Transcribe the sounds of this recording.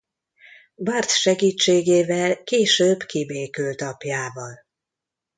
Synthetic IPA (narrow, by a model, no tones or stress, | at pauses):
bart̪ʃɛɡiːt͡ʃːeːɡeːvɛlkeːʃøːbkibeːkylt̪ɒpjaːvɒl